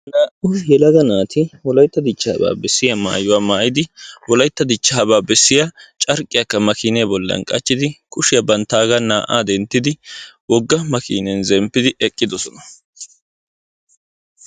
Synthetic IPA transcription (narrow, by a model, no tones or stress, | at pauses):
naːʔʊjɛlɐɡ̪ɐnaːt̪ɪwɔlɐjt̪ːɐd̪ɪt͡ʃːa̰ːba̰ːbɛsːɪjɐma̰ːjʊwaːmaːʔɪd̪ɪwɔlɐjt̪ːɐd̪ɪt͡ʃːaːbaːbɛsːɪjat͡ʃʼɐɾkʼːɪjɐkːɐmɐkiːnɛbɔlːɐ̰nkʼɐt͡ʃːɪd̪ɪkʊʃɪjɐbɐnt̪ːaːɡɐnaːʔa̰ːd̪ɛnt̪ːɪd̪ɪwɔɡːɐmɐkḭːnɛnzɛmpːɪd̪ɪʔɛkʼːɪd̪ɔsɔnɐ